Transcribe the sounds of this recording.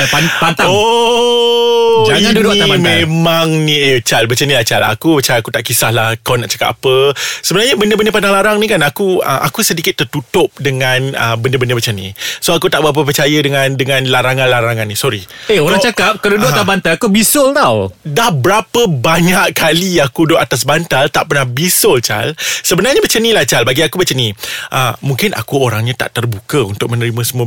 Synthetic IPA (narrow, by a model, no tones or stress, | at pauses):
apant̪aŋo | d͡ʒaŋandudʊʔ̪abamemaŋniet͡ʃalbət͡ʃanilat͡ʃa̰la̰kubət͡ʃaakut̪aʔkisahlahkalanaʔt͡ʃḁka̰pəsəbənarɲabəndəbəndəp̬andaŋlaɾaŋnĩkanakuə̰ʔa̰kusədikɪt̪ːərt̪ut̪ʊp̚dəŋanə̰bəndəbəndəbət͡ʃanḭsoakut̪aʔbəɾap̬əp̬ərt͡ʃajədəŋãndəŋãnlaɾaŋãnlaɾaŋanːĩsɔɾieoɾaŋt͡ʃakap̚kaludoʔ̪abant̪alakubisʊlt̪awdahbəɾapəbaɲaʔkaliakudoʔat̪as̬bant̪alt̪aʔpərnahbisolt͡ʃa̰lsəbənarɲabət͡ʃənilat͡ʃalbaɡiakubət͡ʃəniʔəmuŋkɪnʔa̰kuoɾaŋɲat̪a̰ʔt̪ərbukəunt̪ʊk̚mə̃nəɾimə̃səmuə